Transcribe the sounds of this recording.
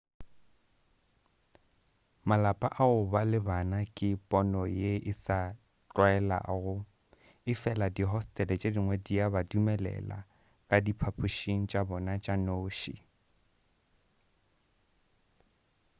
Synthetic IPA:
malapʼa̰ʔaʊbalɪbanakʼɪpʼɔnɔjeʔɪsa | t͡ɬʼwɛla̰ɣʊ | ɪfɛladiɦɔstʼɛlɛt͡ʃʼadiŋwɛdiabadumɛlɛ̰la̰ | kʼadipʰapʰuʃiŋ̩t͡ʃʼabɔnat͡ʃʼanoːʃḭ

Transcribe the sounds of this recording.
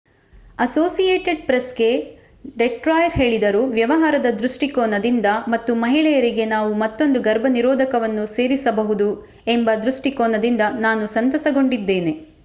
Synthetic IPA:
ɐsoːsijeːʈeɖ̚pɾɐsɡe̞ | ɖeʈɾaːjɐɾɦe̞ːɭid̪ɐɾuːʋjɐʋɐɦaːɾɐd̪ɐd̪ɾuʂʈikɔːnɐd̪ind̪ɐmɐt̪ːumɐɦiɭɛjɐɾiɡe̞naːʋumɐt̪ːo̞nd̪uɡɐɾbʱɐniɾɔːd̪ʱɐkɐʋɐnːuse̞ːɾisɐbɐɦud̪u | e̞mbɐd̪ɾuʂʈikɔːnɐd̪ind̪ɐnaːnusɐnt̪ɐsɐɡo̞ɳɖid̪ːe̞ːne̞

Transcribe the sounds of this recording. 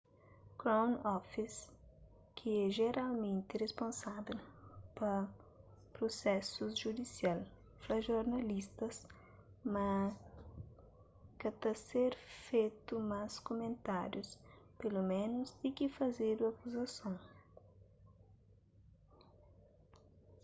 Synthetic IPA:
kɾõwnɔfis | kʰɪɛʒeɾalmẽnt̪ɪrespõnsabelpɐ | pɾosɛsʊzʒud̪isial | flɐʒoɾnɐlist̪ɐs | mɐ | kɐt̪ɐseɾfejt̪umaskomẽnt̪aɾjuspelumẽnʊzd̪ikifɐzed̪uɐkuzɐsõw̃

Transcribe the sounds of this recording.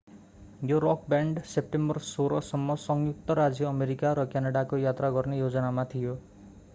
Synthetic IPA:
joɾɔk̚baɳɖsep̚ʈembʌrsoɾʌsʌmːʌsʌŋjuk̚t̪ʌɾad͡zʌːmeɾikaɾʌkjanaɽakojat̪raɡʌrnejod͡zʌnamat̪ʰijo

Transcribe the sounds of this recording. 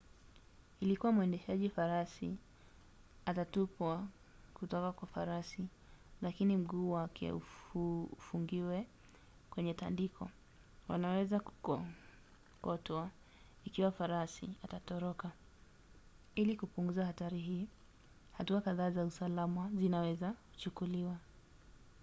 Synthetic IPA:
ilikuwamwɛndɛʃaʄifaɾasi | atatupwa | kutɔkakwafaɾasi | lakinim̩ɠuːwakʰɛ̰u | ufuŋɡiwɛ | kwɛɲɛta̰ndikʰɔ̰ | wa̰nawɛzaku̥kɔ | kɔtwa | ikiwafaɾasiatatɔɾɔka | ilikupuŋɡuzahataɾiɦiː | hatuakaðaːzausalamazinawɛzaku̥t͡ʃukuliwa

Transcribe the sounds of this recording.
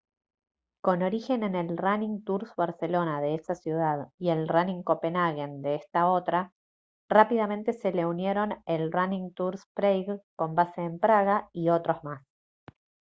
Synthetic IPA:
ko̞no̞ɾixe̞ne̞ne̞lraniŋt̪uɾsβaɾse̞lo̞naðe̞esasjuð̞aðie̞lraniŋko̞pe̞naɣend̪eest̪ao̞t̪ɾa | rapiðamẽ̞nt̪e̞se̞le̞unje̞ɾo̞nelranĩŋt̪uɾspɾejɣko̞mbase̞ːmpɾaɣaio̞t̪ɾo̞zmas

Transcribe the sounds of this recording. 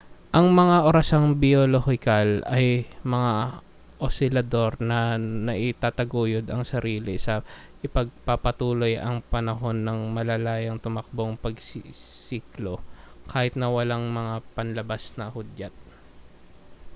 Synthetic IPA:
ʔɐŋmɐŋaʔoɾɐsaŋbɪolohɪkalɐjmɐŋa | ʔosɪlɐd̪o̞ɾnɐnɐʔɪt̪aːt̪ɐɡuːjod̪ɐŋsɐɾiːlɪsɐ | ʔɪpɐɡ̚pɐpɐt̪uːlo̞jɐŋpɐnɐɦo̞nːɐŋmɐlɐlaːjɐŋt̪ʊmɐk̚boŋpɐɡssiːklokʰaːhɪt̪̚nɐwɐlaŋmɐŋapɐnlɐbasnɐhʊd̪at̪̚

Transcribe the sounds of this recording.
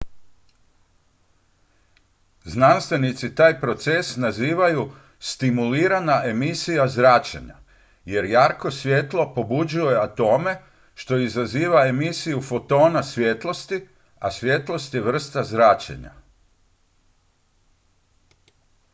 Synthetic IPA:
znanst̪ʋe̞nit̪sit̪aːjpɾo̞t̪sesnaziːʋaju | st̪imuliːɾanaʔe̞misijazɾat͡ʃḛɲa̰ | je̞ɾjaːɾko̞sʋʲjet̪lˠo̞po̞bud͡ʒujeat̪o̞me̞ | ʃt̪o̞izaziːʋaemisijufo̞t̪o̞ːnasʋjet̪lˠo̞st̪i | asʋʲjet̪lˠo̞st̪jeʋr̩st̪azɾat͡ʃḛɲa̰

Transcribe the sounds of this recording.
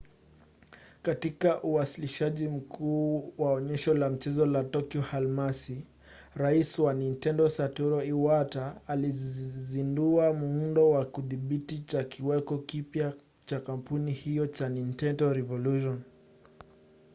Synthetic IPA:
katikaʔuwasiliʃaʄim̩kʰuːwaɔɲɛʃɔlam̩t͡ʃɛzɔlatɔkiɔhalmasi | ɾaiswanintɛndɔsatuɾɔiwataːlizinduamuundɔwakuðiɓitit͡ʃakiwɛkɔkipja | t͡ʃakampunihijɔt͡ʃanintɛndɔɾɛvɔluʃɔn

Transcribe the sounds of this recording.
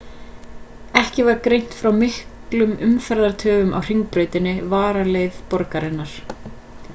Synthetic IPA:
ɛhcɪvaɾkɾejn̥t̪fɾawmɪhklʏmʏmfɛɾðaɾ̥t̪ʰœːvʏmʔa̰wr̥iŋk̚pɾœːɥt̪ɪnːɪvaːɾalejvpɔɾkaɾɪnːaɾ̥

